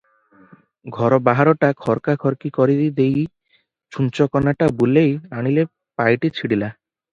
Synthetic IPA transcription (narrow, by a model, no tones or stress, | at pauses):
ɡʱɔɾɔbaɦaɾɔʈakʰɔɾkakʰɔɾkikɔɾid̪id̪ej | t͡ʃunt͡ɕɔkɔnaʈabulejaɽ̃ile | pajʈit͡ɕʰiɽila